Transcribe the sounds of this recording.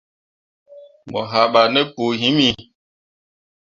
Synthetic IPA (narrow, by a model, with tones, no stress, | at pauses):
mɔ̰˨ɦa˨ɓa˨nɛ˦po˨ɦĩ˦mi˦